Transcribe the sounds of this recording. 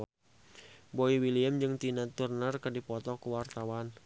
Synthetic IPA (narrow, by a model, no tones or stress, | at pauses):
boiwiliəmd͡ʒɨŋt̪inat̪urnərkərdipɔt̪ɔkəwart̪awan